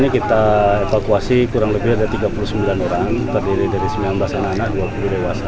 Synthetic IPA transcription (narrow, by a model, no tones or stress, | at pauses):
ɲakit̪aefakuasikuɾaŋləbɪrdat̪iɡapulusəmbilanoɾaŋt̪ərdiɾidaɾisəmianbasananaʔuakuludewasa